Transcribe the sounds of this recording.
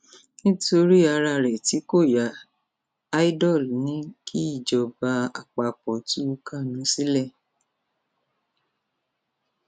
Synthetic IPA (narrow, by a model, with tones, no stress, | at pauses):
nĩ˦to˧˦ɾi˦a˧ɾa˧˨ɾɛ˨ti˨˦ko˦˨jaː˨˦ | i˦dɔ˦˨lnĩ˨˦kʰi˦i˦˨d͡ʒɔ˨˧ba˧˦a̰˨k͡pa˧k͡pɔ˨ti˦u˦ka˦˨nũ˨˦si˦lɛ˦˨